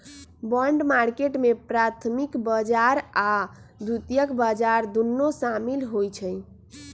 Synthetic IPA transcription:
bəɳɖmaɾkeʈmepɾat̪ʰmikbəd͡ʒaɾad̪ʱut̪ijəkbəd͡ʒaɾd̪unːosamilɦojt͡ʃʰəj

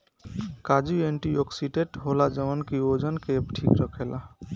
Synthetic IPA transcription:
kad͡ʒueɳʈiɔksiɖeʈɦolad͡ʒəmənkiod͡ʒənkebʈʰikɾəkʰela̰

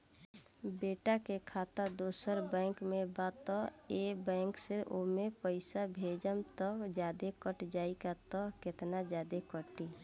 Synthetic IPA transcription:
beːʈakekʰaːt̪ad̪oːsəɾbɛ̃ːkmẽbaːt̪ɔebɛ̃ːŋkseʔomẽpəɪsabʱeːd͡ʒəmt̪ɔd͡ʒjaːd̪ekəʈd͡ʒaːikat̪ɔkɪt̪nad͡ʒjaːd̪ekəʈi

